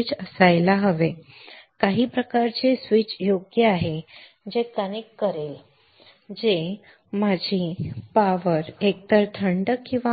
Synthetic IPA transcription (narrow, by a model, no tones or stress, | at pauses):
it͡səsajlaɦəʋe | kaɦiːpɾəkaɾt͡sesʋit͡sjoɡjəaɦe | d͡ʑekənikːəɾel | d͡ze | mad͡ʑʱipaʋəɾek̚t̪əɾt̪ʰəɳɖəkːĩw̃ʋa